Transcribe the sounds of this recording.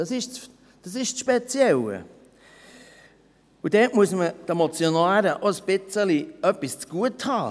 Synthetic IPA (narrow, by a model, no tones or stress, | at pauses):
ɑsɪʃ | d̥ɑsɪʃsʃpet͡sjɛlə̰ | ʊdɛːtmuəsmətemot͡sjonaːɾəʔosb̥ɪt͡səliœpist͡sɡ̥uəthɑː